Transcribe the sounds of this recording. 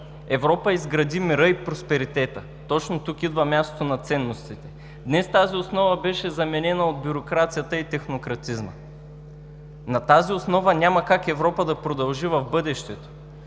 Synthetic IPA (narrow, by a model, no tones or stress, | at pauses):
ɛvɾɔpəizɡɾɐd̪imiɾɤipɾospɛɾit̪ɛt̪ə | t̪ɔt͡ʃnot̪ukid̪vɐmʲjast̪o̥t̪onɐt̪sɛnːost̪it̪ɛ̥ | d̪nɛst̪aziosnɔvəbɛʃɛzɐmɛnɛnɐod̪̚bʲʊɾokɾat̪sijət̪əit̪ɛxnokɾɐt̪izmə̰ | nɐt̪aziosnɔvənʲamɐkakɛvɾɔpəd̪ɐpɾod̪ɐlˠʒivɐvbɤd̪ɛʃt̪ɛt̪o̥